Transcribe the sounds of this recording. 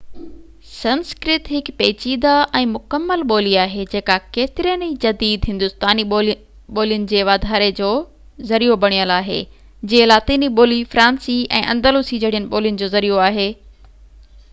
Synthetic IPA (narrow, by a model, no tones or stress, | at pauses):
sɐnskɾɪt̪ɦɪkpeːt͡ɕiːd̪aʔɛ̃ːmʊkəmːəlɓoːliaːɦed͡ʑeːkakeːt̪ɪɾiənid͡ʑɐd̪iːd̪ɦɪ̃nd̪ʊst̪aːni | ɓoːlijʊnɪ̆d͡ʑeːʋaːd̪ʱaːɾed͡ʑoː | zɐɾijobɐɽ̃ijəlaːɦḛː | d͡ʑeːlaːt̪iːniɓoːlifɾãːnsiɛ̰̃ːʔɐ̰̃nd̪əluːsid͡ʑɐɽ̤ijənɪ̆ɓoːlijʊnɪ̆d͡ʑoːzɐɾijoaːɦeː